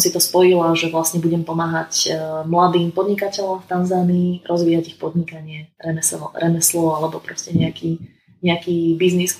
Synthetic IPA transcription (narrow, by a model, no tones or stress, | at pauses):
msit̪ɔspɔjilaʒɛʋlasɲɛbuɟɛmpɔmaːɦacmlad̪iːmpɔd̪ɲikacɛʎɔmft̪anzaːniːɾʔɔzʋiːɦaɟixpɔd̪ɲikaɲɪɛɾɛmɛsɾɛmɛslɔalɛbɔpɾɔscɛɲɛakʰiː | ɲɛakiːbiznis